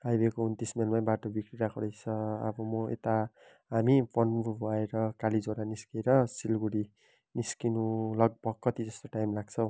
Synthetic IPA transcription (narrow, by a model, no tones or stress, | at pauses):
kajbekoɦunt̪ismelmaj̃baʈobikɾiɾakʰoɽʌjt͡sʰʌʌ̰bʌmʌḛt̪a | ɦamipʰonubʱʌeɾʌkalid͡zoɾaniskeɾʌsilɡuɽi | niskinulʌɡ̚bʌkːʌt̪id͡zʌst̪oʈajmlaɡt͡sʰʌw̃